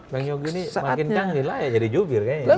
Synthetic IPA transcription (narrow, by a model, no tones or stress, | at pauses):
baŋjɔɡinisamakɪnkaŋnilajad͡ʒadid͡ʒobɪrkaɲ